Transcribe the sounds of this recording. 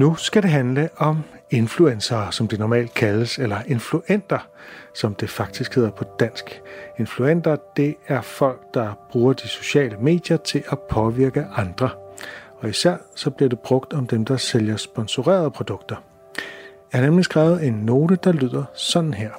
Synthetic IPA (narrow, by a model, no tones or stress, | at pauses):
nusɡ̥æɾe̝ɦænləʔɒ̽m | e̝nfluensɐːsɒ̽md̥e̝nɒmɛ̰ːld̥̚kʰæləselɐʔe̝nfluʔen̰d̥ɐ | sɒ̽md̥e̝fɑ̈ɡ̥̚d̥isɡ̥he̝ð̰ˠɐpʰɒ̽d̥æn̰sɡ̥e̝nfluen̰d̥ɐd̥e̝æɐfɒ̽l̰ɡ̥̚d̥ɑ̈b̥ʁuːɐd̥iso̝ɕɛ̰ːləme̝̰ːd̥jɐt͡sʰe̝lʔæpʰɒ̽ʋiɐɡ̥əʔɑ̈nd̥ʁɐɒ̽isæɐ̰sɒ̽b̥liɐd̥e̝b̥ʁɔ̽ɡ̥d̥ɒ̽md̥emd̥ɑ̈seljɐsb̥ɒ̽nso̝ʁɛ̰ːɐð̞ˠəpʰʁo̝d̥ɔ̽ɡ̥d̥ɐ | æɐnemlisɡ̥ʁɛːʊð̩ˠe̝nːo̝ːd̥əd̥ɑ̈lyð̞̰ˠɐsɒ̽nn̩ɦeɐ̰